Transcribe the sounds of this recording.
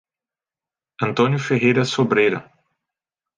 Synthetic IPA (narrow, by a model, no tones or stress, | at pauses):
ɐ̃nt̪õnjʊfeɦejɾɐsobɾejɾɐ̰